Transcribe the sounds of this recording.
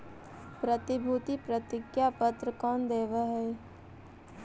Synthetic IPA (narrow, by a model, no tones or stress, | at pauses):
pɾət̪ɪbʱuːt̪ipɾət̪ɪkjapət̪ɾəkɔːnd̪eːʋaɦɛː